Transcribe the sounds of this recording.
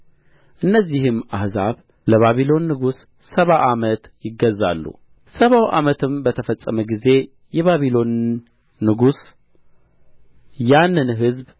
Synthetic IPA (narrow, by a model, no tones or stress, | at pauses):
ʔɨnːəzːihɨmahzaβ | ləβaβilo̞nːɨɡusː | əβaʔamət̪jɪɡːəzːa̰lːṵ | səβawʔamət̪ʰɨmbət̪ʰəfəsʼəməɡize̞ | jɛβaβilo̞nː | ɨɡus | janːɨnɦɨzb